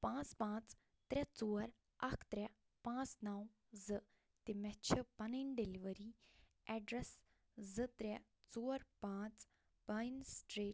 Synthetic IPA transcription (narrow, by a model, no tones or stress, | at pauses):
pãːt͡spãːt͡s | t̪ɾʲɛt͡soːɾ | ɐkʰt̪ɾʲɛ | pãːt͡snaw | zɨ | t̪imɛt͡ʃʰipɐninɖeliʋəɾi | ɛːɖɾes | zɨt̪ɾɛ | t͡soːɾpãːt͡s | b̥ajnsʈɾeː